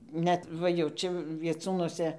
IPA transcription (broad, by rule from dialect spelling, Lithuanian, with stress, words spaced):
ˈnʲɛt ˈʋɐ jɛʊ ˈt͡ʃʲɛ ʋʲiɛˈt͡suːnuɔsʲɛ